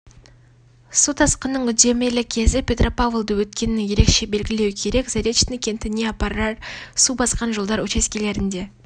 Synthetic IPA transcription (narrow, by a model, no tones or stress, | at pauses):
sut̪ʰɑsqənːəɴʏd̪e̞melɪkʲʰe̞zɪpʲe̞t̪rʔo̞pavlˠd̪əwɵt̪̚kʲe̞nɪɪŋje̞ɾe̞kʃe̞be̞lɡʲɪle̞wkʲʰe̞ɾe̞kzeɾʲe̞t̪t͡ʃt̪nɪkʲʰe̞nt̪ɪneɑpɑɾɑɾsubɑsqɑnʒolˠd̪ɑɾwɵt͡ʃe̞skʲele̞ɾɪnd̪e̞